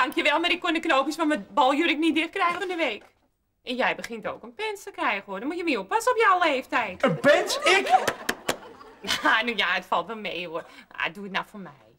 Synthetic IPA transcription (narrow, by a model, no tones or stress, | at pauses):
daŋkjəʋɛlˠmarɪkːondəknoːpismaməbɔlˠjøɾɪk̚nidɪxkrɛjxəfɔndəʋeːk | ʔɛnjɛjbəχɪnto̰ːkənpɛnstəkrɛjɣənhodɔnmujəmiopasopjawleːftɛjtənpɛnsɪk | janjaətfalˠtʋɛlˠmeːuərja̰ət̚duətnatfomɛj